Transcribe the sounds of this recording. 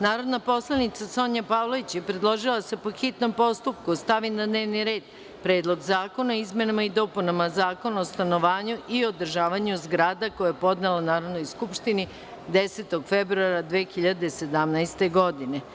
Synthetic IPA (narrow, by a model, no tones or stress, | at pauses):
naːɾo̞d̪napo̞slˠanit̪saso̞ɲapaːʋlˠoʋit͡ɕjepɾed̪lˠo̞ʒilˠase̞poxit̪no̞mpo̞st̪up̚kust̪aʋinad̪ne̞ːʋniɾe̞ːd̪ | pɾeːd̪lˠo̞ɡzaːko̞naoizmenamaid̪o̞punamazaːko̞naost̪ano̞ʋaːɲuʔiod̪r̩ʒaːʋaɲuzɡɾaːd̪akojajepo̞d̪nelanaːɾo̞d̪no̞jskupʃt̪ini | d̪eset̪o̞ɡfebɾuaɾad̪ʋeːxiʎad̪ese̞d̪amnaest̪e̞ɡo̞d̪ine